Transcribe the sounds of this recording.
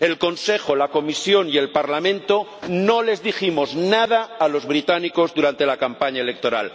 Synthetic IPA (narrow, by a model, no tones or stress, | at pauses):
e̞lko̞nse̞xo̞lako̞misjo̞nie̞lpaɾlamẽnt̪o̞no̞le̞zðiximo̞znað̞aːlo̞zβɾit̪aniko̞zðuɾant̪e̞lakampaɲaelek̚t̪o̞ɾa̰l